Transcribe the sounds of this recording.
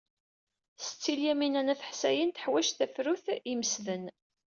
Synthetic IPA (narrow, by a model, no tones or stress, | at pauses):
sə̥t͡sːiljæminænæθə̥ħsæjənt̪ə̥ħwæʃθæfɾuθiməsðən